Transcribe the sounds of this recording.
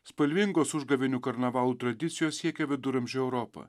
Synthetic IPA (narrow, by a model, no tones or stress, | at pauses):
spɐlʲʋʲɪŋɡoːsʊʒd̪ɐʋʲɪnʲuːkɐɾnɐʋɑːlˠuːt̪ɾɐd̪ʲɪt̪sʲɪjoːsʲiɛkʲɛʋʲɪd̪ʊɾɐmʲʒʲʊɛʊɾɔːpɐ̰